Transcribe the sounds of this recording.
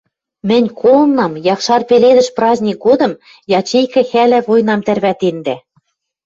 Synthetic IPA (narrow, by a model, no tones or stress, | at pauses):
mɘ̆nʲkʰolɤ̆nːɑmjɑχʃɑrpeled̪ɘ̆ʃprɑzʲnʲik̚ɡod̪ɤ̆m | jɑt͡ɕejkɘ̆xælɘ̆βojnɑmt̪ærβæt̪end̪æ